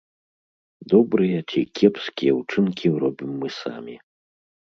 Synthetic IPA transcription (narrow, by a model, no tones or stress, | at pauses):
d̪ɔbɾɨjɐt͡sʲikʲʰɛpskʲijɛwt͡ʂɨnkʲiɾɔbʲimːɨsa̰mʲi